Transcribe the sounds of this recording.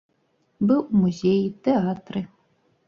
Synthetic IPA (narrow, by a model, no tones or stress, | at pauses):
bɨwmuzʲejt̪eat̪rɨ